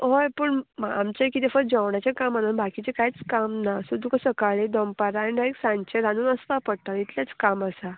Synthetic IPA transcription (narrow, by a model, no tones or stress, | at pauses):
ɦojpəːɳaa̰mt͡ɕakit̪ɛfəɾ̚d͡ʑəʋɳjat͡ɕakamananbakit͡ɕekajt͡skamnasud̪ukəsəkaɭid̪ɔmpaɾanid̪aeksãɲt͡ɕeɾanuːnəspapəɽt̪ait̪ljat͡skaməsa